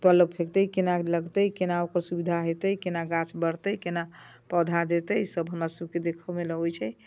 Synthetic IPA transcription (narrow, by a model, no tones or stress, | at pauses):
pələpʰekt̪əkenaləɡt̪əkenaokəɾsubid̪ʱaɦet̪əjkenaɡãt͡ʃbəɾt̪əjkenapəd̪ʱad̪et̪əjsəbʱɦəmɾasəb̚ked̪ekʰəmeləɦojt͡ʃʰɛ